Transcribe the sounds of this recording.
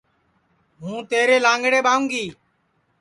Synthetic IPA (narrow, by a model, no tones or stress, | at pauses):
ɦũːt̪eːɾeːlãːŋɡɽeːɓaːũːŋɡiː